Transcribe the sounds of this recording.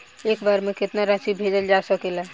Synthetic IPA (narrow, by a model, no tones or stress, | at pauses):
ekbaɾmẽkɪt̪naɾãsibʱed͡ʒəld͡ʒasəkela